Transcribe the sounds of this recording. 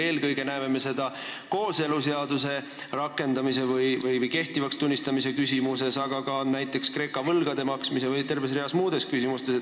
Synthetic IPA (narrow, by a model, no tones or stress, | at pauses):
e̞ːlkɤjɡ̥e̞næeme̞me̞se̞d̪̥ɑ | ko̞ːse̞lus̬e̞ɑd̪̥use̞ | rɑkːˑe̞nd̪̥ɑmis̬e̞vɯjvɯjvɯjke̞ht̪ivɑkst̪unʲːist̪ɑmise̞kysimuse̞sɑɡ̥ɑɡɑnæjt̪ːˑe̞kskre̞ːkːˑɑvɤlɡ̥ɑd̪e̞mɑksmise̞vɯjt̪e̞rve̞s̬reɑsmuːd̪̥e̞skysʲimust̪e̞s